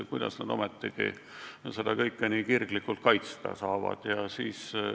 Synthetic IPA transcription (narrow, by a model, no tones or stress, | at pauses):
kujd̪ɑ̰snɑd̪o̞met̪ːˑiɡ̥ḭ | se̞d̪ɑkɤjkːenikirɡlikːult̪̚kɑjt̪st̪ɑ̰sɑːvɑ̰d̪̥jɑsiːs